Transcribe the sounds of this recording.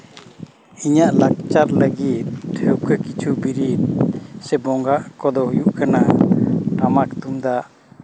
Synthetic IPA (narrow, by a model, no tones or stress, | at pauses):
iɲaʔlak̚t͡ʃaɾləɡit̪̚ʰɛwkəkit͡ʃʰubiɾi | sɛbɔŋɡaʔkɔd̪ɔhujuʔkanaʈamakt̪umd̪aʔ